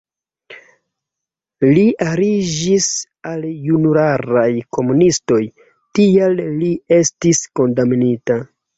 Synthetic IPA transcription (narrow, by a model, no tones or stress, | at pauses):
liʔaɾid͡ʒis | aljunuɾaɾajko̞munisto̞j | tialːie̞stisko̞ndamnita